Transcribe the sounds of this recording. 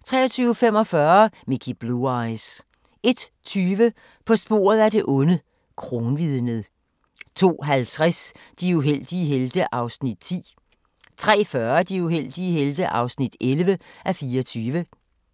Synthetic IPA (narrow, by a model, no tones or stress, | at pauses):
t͡sʰʁɛ̰ːɐt͡sʰyːʊfem̰ɒ̽fɶɐmikʰib̥luɑɪs | e̝d̥ | t͡sʰyːʋə | pʰɒ̽sb̥o̝̰ːɐð̩ˠæde̝ʔɔ̽nə | kʰʁo̝ːnʋiðˠnəð̩ˠ | t͡sʰo̝̰ːɦælt͡sʰʁas | d̥iuɦel̰d̥iɦeld̥əʔɑ̈ʊsnid̥t͡sʰḭː | t͡sʰʁɛ̰ːfɶɐd̥iuɦel̰d̥iəɦeld̥əʔɑ̈ʊsnid̥ʔelʋəʔæfiːɒt͡sʰyːʋə